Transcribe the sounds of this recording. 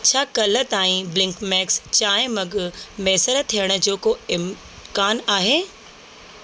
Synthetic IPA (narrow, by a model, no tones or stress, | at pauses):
t͡ɕʰaːkɐlə̆t̪aːĩblɪ̃ŋkmɛːkst͡ɕaːɦɪ̃mɐɡʊ̆mɛːsəɾə̆t̪ʰijəɽ̃ʊ̆d͡ʑoːkoɪm | kaːnaːɦeː